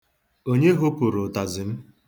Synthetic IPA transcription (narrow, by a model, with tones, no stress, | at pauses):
o˦ɲe˦ɦʊ˦pʊ˨ɾʊ˨ta˨zɪ˨m̩˦